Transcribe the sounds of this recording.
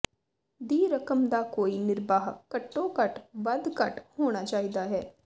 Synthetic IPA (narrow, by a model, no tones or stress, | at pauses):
d̪iːɾəkəmd̪aːkoːiːnɪɾbaːɦkəʈːõːkəʈʋəd̪kəʈhoːɽ̃aːt͡ʃaːiːd̪aːɦɛː